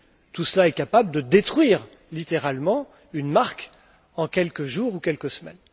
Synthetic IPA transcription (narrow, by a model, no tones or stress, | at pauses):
t̪usəlaɛkapabləd̪əd̪et̪χɥiʁ | lit̪eʁalmɑ̃ | ynmaʁk | ɑ̃kʲɛlkəʒuʁukʲɛlkəsmɛ̰n